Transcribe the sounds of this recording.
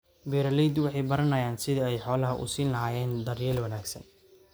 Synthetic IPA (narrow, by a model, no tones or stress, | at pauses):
bɛːɾɐlid̪wɑħɑjbɐɾɐnɐjaːnsɪðɐɛjħɔːlɐɦɐʔʊ̰siːnlɐɦaːjɛːnd̪ɐrjɛːlwɐnaːɡsɐ̰n